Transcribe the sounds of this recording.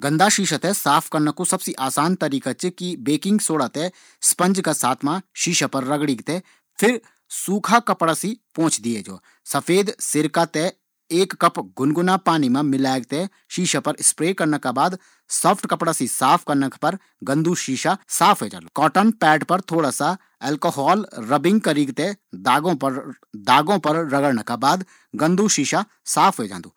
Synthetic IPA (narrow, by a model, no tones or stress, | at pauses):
ɡə̃nd̪aʃiːʃat̪ɛsaːpʰkɐɾnəkusɐbsiʔaːsaːnt̪ɐɾiːkat͡ʃkibeːkɪ̃ŋɡsoːɽat̪ɛ | spə̃nd͡ʒkasaːt̪ʰmãʃiːʃapɐɾːɐɡɽiːɡt̪ɛ | pʰɪɾ | suːkʰakɐpɽasipõːt͡ʃd̪ied͡ʒo̰ː | sɐpʰeːd̪sɪɾkat̪ɛ | eːkːɐpɡʊnɡʊnapaːnimãmɪlaːeɡ̚t̪e | ʃiːʃapəɾɪspɾeːkəɾnəkaːbaːd̪ | səpʰʈkəpɽaːsisaːpʰkəɾnəkpəɾ | ɡə̃nd̪ʱuːʃiːʃasaːpʰɦoed͡ʒã̰ːnd̪ukɔːʈənpɛːʈpəɾt̪ʰoːɽaːsa | ɛːlkoːɦaːlɾəbɪ̃ŋɡkəɾiɡt̪ed̪aːõːpəɾ | d̪aːɡõːpəɾɾəɡəɽnəkaːbaːd̪ | ɡə̃nd̪ʱuːʃiːʃa | saːpʰɦoːed͡ʒã̰ːnd̪uː